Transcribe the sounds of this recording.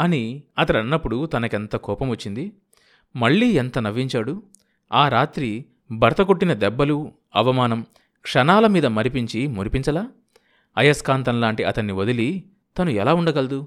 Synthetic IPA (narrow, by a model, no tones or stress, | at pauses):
ɐniɐt̪ɐɽɐnːɐpːuɽut̪ɐnɐkent̪ɐkɔːpɐmʋɐt͡ʃːind̪i | mɐɭːiːɛnt̪ɐnɐʋiɲt͡ʃaːɽu | aːɾaːt̪ɾi | bʱɐɾɐt̪ɐkoʈːinɐd̪ɛbːɐlu | ɐʋɐmaːnɐm | kʂɐnaːlɐmiːd̪ɐmɐɾipiɲt͡ʃimuɾipiɲt͡ʃɐlaː | ɐjɐskaːnt̪ɐnlaːɳʈiɐt̪ɐnːiʋod̪ili | t̪ɐnuɛlaːuɳɖɐɡɐld̪u